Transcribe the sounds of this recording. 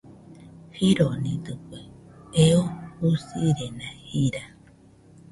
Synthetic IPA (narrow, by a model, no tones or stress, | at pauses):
hiɾonĩd̪ɨkʷeeousiɾenãhiɾa